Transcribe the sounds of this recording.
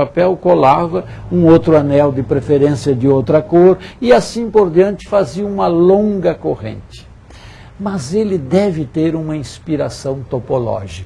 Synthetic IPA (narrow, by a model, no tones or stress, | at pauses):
apɛwkolavɐ | ũowt̪ɾʊanɛwd̪ɪpɾefeɾẽsiɐd̪ɪowt̪ɾɐkoɾɪasĩpoɾd̪iɐ̃nt͡ʃ̪ɪ̥faziɐũmɐlõŋɡɐkoʁḛ̃nt͡ʃ̪ɪ̥ | mɐzelɪd̪ɛvɪt̪eɾũmɐĩspiɾasɐ̃w̃t̪opolɔ̰ʒik